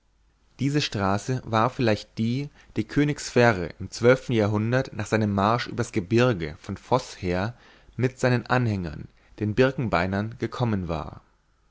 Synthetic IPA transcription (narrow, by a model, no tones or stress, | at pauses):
d̥iːzəʃtʁ̥aːsəvaːɐfɪlaɪçt̚d̥iː | d̥iːkʰøːnɪksfɛːʁə̰ʔɪmt͡sv̥œlftn̩jaːɐɦʊndɐtnaːχz̥aɪnəmːaɐʃʔyːbɐasɡ̥əbɪɐɡəfɔnfɔsheːɐ | mɪtz̥aɪnənʔanhɛŋɐ̰n | d̥eːnbɪɐkŋ̩baɪnɐnɡ̥əkʰɔmənva̰ːɐ